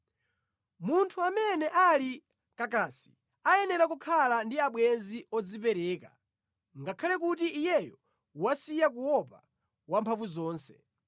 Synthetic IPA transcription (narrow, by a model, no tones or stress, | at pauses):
muntʰuamɛnɛʔali | kakasi̥ | ajɛnɛɾakukʰalandiaɓwɛnziɔd͡zipɛɾɛːka | ŋɡakʰalɛkut̬iʔːjɛjɔ | wasijak̬uwɔpa | wampʰaɱvuzɔːnsɛ̥